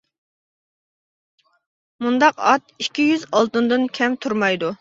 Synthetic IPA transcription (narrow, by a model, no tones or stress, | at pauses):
mund̪ɑqɑt̪̚ikʲːijyzɑlˠt̪ɨnd̪ɨnkʲʰɛmt̪ʰuɾmɑjd̪u